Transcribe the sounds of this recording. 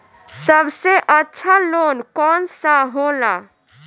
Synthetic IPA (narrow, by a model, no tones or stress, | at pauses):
səbseʔətːʃʰalonkɔnsaɦola